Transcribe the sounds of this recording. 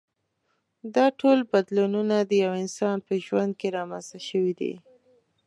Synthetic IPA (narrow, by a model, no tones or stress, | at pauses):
d̪ɑʈʰolbad̪lununad̪əjawɪnsɑnpəʒwand̪̚keɾɑmanzt̪aʃəwid̪ḭ